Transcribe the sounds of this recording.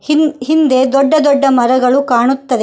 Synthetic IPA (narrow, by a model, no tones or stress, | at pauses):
ɦind̪e̞d̪ɔɖːɐd̪ɔɖːɐmɐɾɐɡɐɭukaːɳut̪ːɐd̪e